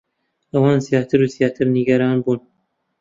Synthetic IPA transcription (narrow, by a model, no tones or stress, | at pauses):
ʔɐwɑːnzijaːt̪ʰɨɾuzijaːt̪ʰɨɾniɡɐɾaːnbuːn